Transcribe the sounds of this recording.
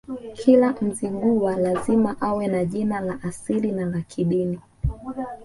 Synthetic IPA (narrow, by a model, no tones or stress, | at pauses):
kʰilam̩ziŋɡuwalazimaʔawɛnaʄinalaʔasilinalakʰiɗini